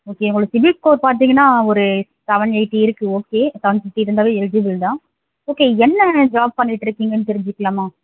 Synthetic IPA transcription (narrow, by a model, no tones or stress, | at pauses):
oːkeːʊŋɡɐɭosɪbɪkkoːɾpaːɾt̪̬iːŋɡɐnːaːɔɾɯ | t̪ɐʋɐnɛɪʈːiɪɾɯkːɯ̃oːkːeːt̪ɐʋɐnsɐʈːɯɪɾɯnd̪aːʋeːɛld͡ʒɪʋɪld̪ãː | oːkeːɛnːɐd͡ʒaːb̚pɐnːɪʈːɪɾɯkːiːŋɡɐnːɯt̪ɛɾɪɲd͡ʒɯkːɐɭaːmaː